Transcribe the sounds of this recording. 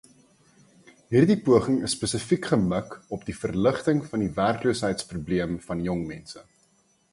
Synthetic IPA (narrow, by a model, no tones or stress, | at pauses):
ɦiːrdipuəχəŋəsːpesəfikχəməkɔp̚difərləχtəŋfɐndiværkluːsɦəjtsprubliəmfɐnjɔŋmɛnsə